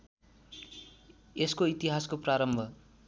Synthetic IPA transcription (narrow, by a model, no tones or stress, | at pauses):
eskoit̪iɦaskopraɾʌmbʱʌ